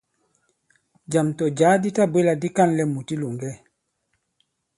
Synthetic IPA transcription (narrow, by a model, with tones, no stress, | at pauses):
d͡ʒa˨mtɔ˨d͡ʒaː˨˦di˦ta˦be˦la˨di˦ka˦nlɛ˨mu˨ti˦lu˨ŋɡɛ˦